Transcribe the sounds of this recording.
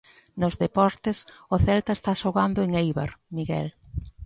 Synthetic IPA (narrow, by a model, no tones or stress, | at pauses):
nozðepɔɾt̪ɪsʊθɛlt̪aest̪aʃoɣand̪ʊeŋejβa̰ɾmiɣɛ̰l